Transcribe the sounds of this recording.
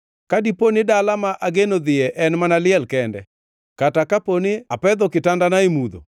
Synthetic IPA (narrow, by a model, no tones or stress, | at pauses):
kadiponɪdalamaʔaɡenod̪ɪɛʔɛnmanalɪɛlkɛndɛ | katakaponɪapɛd̪ɔkɪtandanaemud̪o̰